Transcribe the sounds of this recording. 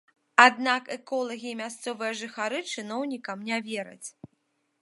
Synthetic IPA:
ad̪nakɛkɔlˠɐɣʲiːmʲast̪sɔvɨjɐʐɨxaɾɨt͡ʂɨnɔwnʲikɐmnʲavʲɛɾɐ̰t͡sʲ

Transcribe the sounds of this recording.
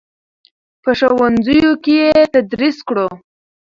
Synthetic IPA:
pəʂowanzəjokejet̪ad̪ɾiskɽo

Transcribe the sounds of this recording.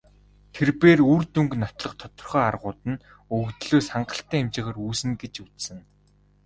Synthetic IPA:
t̪ʰerpeːruːrt̪uŋknɔt̪ɮɞ̆χt̪ʰɔ̥t̪ɞ̆rχœːarʁʊːt̪ə̆n | ɵɣt̪ɮoːsaɴɢə̆ɬt̪æːemt͡ɕɪ̆ʁə̆ruːsɘ̆ŋɡet͡ɕut͡ssɘ̆n

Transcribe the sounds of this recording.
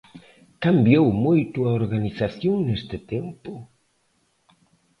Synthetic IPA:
kambjowmojt̪uaoɾɣaniθaθjoŋnest̪ɪt̪empʊ

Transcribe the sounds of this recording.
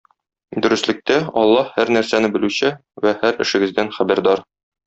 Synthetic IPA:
d̪ɵ̆ɾɘ̆slɘ̆k̚t̪æɒ̰lˠːɑhhæɾnæɾsænɘbɘ̆lʉɕɘwæhæɾɘ̆ʃɘ̆ɡɘ̆zd̪ænχæbæɾd̪ɑɾ

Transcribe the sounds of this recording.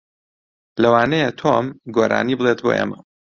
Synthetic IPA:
lɐwaːnɐjet̪ʰomɡoːɾa̰ːnibɨlˠet̪̚bo̰ːʔḛmɐ

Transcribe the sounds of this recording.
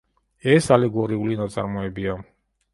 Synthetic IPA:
ɛsalɛɡɔɾiulinat̪sʼa̰ɾmɔɛbia

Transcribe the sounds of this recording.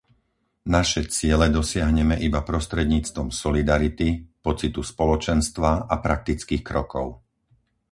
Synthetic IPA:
naʃɛt͡sɪɛlɛd̪ɔsɪaɦɲɛmɛʔibapɾɔst̪ɾɛd̪ɲiːt͡st̪ʋɔmsɔlid̪aɾit̪ipɔt͡sit̪uspɔlɔt͡ʃɛnst̪ʋaapɾak̚t̪it͡skiːxkɾɔkɔʊ

